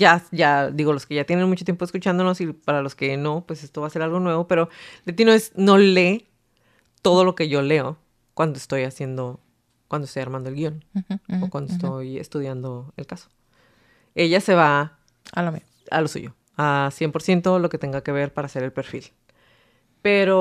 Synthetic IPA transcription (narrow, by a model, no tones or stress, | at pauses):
ʝaʝad̪iɣo̞lo̞ske̞ʝat̪je̞ne̞nmut͡ʃot̪jemp̬oskut͡ʃand̪ono̞sipaɾalo̞ske̞no̞pwe̞se̞st̪oβaːse̞ɾalɣo̞nwe̞βo̞pe̞ɾo̞let̪inoe̞sno̞le̞ | t̪o̞ð̞o̞lo̞ke̞ʝo̞le̞o | kwand̪oest̪o̞jasje̞nd̪o̞ | kwand̪oest̪ojaɾmãnd̪oelɣio̞nokwand̪oest̪ojḛst̪uðjand̪o̞ḛlkaso̥ | e̞ʝase̞β̞a | alomi | a̰lo̞sṵʝo | asje̞mpo̞ɾsje̞nt̪o̞lo̞ket̪e̞ŋɡake̞β̞e̞ɾpaɾase̞ɾelpe̞ɾfḭl | pe̞ɾo